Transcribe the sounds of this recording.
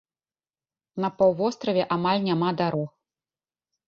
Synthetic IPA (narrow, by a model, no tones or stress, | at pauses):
nɐpawvɔst̪ɾɐvʲɛʔamalʲnʲamad̪aɾɔx